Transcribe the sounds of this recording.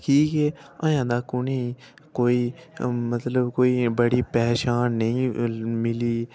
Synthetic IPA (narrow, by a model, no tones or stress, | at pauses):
kʰiːkɛːa̰jãːnd̪aːkʊneĩ | koːimət̪ləbkoːibəɽipɛːʃaːnːɐĩmɪliː